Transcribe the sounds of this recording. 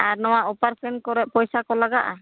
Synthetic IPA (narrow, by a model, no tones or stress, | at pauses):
aɾnɔwaopaɾsʰɛnkɔɾɛʔ̚pɔjsakɔlaɡaʔa̰